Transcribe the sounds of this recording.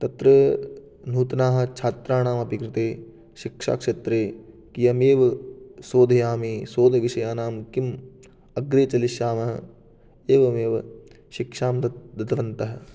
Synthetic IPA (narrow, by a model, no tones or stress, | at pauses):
t̪ɐt̪ɾɐ | n̤uːt̪ɐnaːɦɐ̆t͡ʃʰaːt̪ɾaːnaːmɐpikɾɪt̪eː | ʃikʂa̰ːkʂet̪ɾeː | kijɐmeːʋɐsoːd̪ʱɐjaːmiːsoːd̪ʱɐʋiʃɐjaːnaːmkim | ɐɡɾeːt͡ʃɐliʃjaːmɐɦɐ | eːʋɐmeːʋɐ | ʃikʂaːmd̪ɐd̪ɐd̪ɐʋɐnt̪ɐɦɐ̆